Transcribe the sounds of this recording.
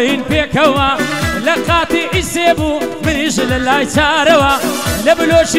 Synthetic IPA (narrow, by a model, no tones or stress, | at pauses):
jinpeːkɐwalɐqaːt̪iːʔiseːbumɨniʃlɐlaːjt͡ʃaːɾɐwalɐbɨloːʃ